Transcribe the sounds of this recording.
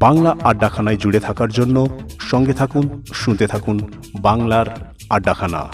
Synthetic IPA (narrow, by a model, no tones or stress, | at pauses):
baŋlaʔaɖːakʰanaed͡ʑuɽet̪ʰakaɾd͡ʑonːoʃɔŋɡet̪ʰakunʃunt̪et̪ʰakun | baŋlaɾ | aɖːakʰana̰